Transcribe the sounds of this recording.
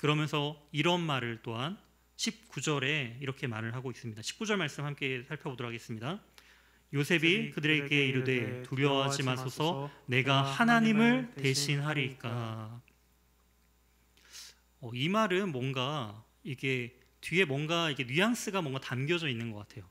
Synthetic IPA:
kɯɾʌmjʌnsʰʌiɾʌnmaɾɯɭt͈oɦan | ɕʰip̚k͈ud͡ʑʌɾe̞iɾʌkʰe̞maɾɯɭɦaɡois͈ɯmɲidaɕʰi̥p̚k͈ud͡ʑʌɭmaɭs͈ɯmhamk͈e̞sʰaɭpʰjʌbodɯɾɦaɡes͈ɯmɲida | josʰe̞bikɯdɯɾe̞k͈e̞iɾude̞tuʎjʌɦad͡ʑimasʰosʰʌne̞ɡahanaɲimɯɭte̞ɕʰinɦaɾik͈a | ʌimaɾɯnmwʌŋɡa | iɡe̞ | tɥie̞mwʌŋɡaiɡe̞nɥijaŋs͈ɯɡamwʌŋɡatamɡjʌd͡ʑʌinːɯnɡʌk͈atʰe̞jo

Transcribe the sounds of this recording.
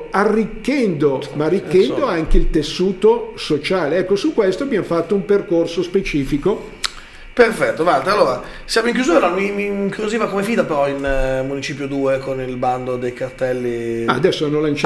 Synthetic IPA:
arːikːɛnd̪omaarːikːɛnd̪oaŋk̟eilt̪esːuːt̪osot͡ʃaːleɛkːosukːwest̪oabjamfat̪ːoumperkorsospet͡ʃiːfiko | peɾfɛt̪ːovalt̪aalːoːɾa | sjaːmoiŋkjuzuːɾɾamimiŋkɾuziːvakomefiːd̪apeɾɔinmːunit͡ʃiːp̬jod̪uːekonilband̪od̪ejkart̪ɛlːia̰ːd̪ɛsːoanːolant͡ʃ

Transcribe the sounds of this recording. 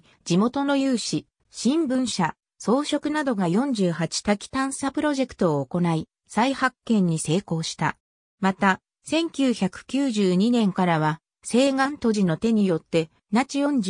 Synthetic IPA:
d͡ʑimo̞t̪o̞no̞jɯːɕi | ɕĩmbɯ̟̃ɰ̃ɕa | so̞ːɕo̞kɯ̟nad̪o̞ɡajõ̞ɲ̟d͡ʑɨːhat͡ɕi̥t̪akʲi̥t̪ãɰ̃sapɯ̟ɾo̞ʑe̞kɯ̥t̪o̞ːko̞nai | saihakːẽ̞ɲ̟ːise̞ːko̞ːɕi̥t̪a̰ | mat̪a | sẽ̞ŋkʲɨːçakɯ̟̥kʲɨːʑɨːɲ̟inẽ̞ŋkaɾaβ̞a | se̞ːɡãnt̪o̞ʑino̞t̪e̞ɲ̟ijo̞t̪ːe̞ | nat͡ɕijõ̞ɲd͡ʑ

